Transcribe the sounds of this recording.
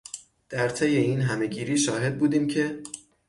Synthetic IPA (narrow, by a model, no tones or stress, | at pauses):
d̪̥æɾt̪ʰejeinɦæme̞ɟiːɾiːʃɒːɦe̞d̪̚buːd̪iːmcʰe̞